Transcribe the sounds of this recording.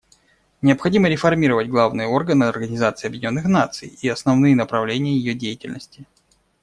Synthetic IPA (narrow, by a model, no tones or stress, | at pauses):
nʲɪəpxɐdʲiməɾʲɪfɐrmʲiɾəvətʲɡlˠavnɨjəo̞rɡənɨɐrɡənʲɪzat̪sɨːɐbjɪdʲɪnʲo̞nːɨxn̪at̪sɨ̰jiɐsnɐvnɨjənəpɾɐvlʲenʲɪjəjɪjodʲejɪtʲɪ̰lʲnəsʲtʲɪ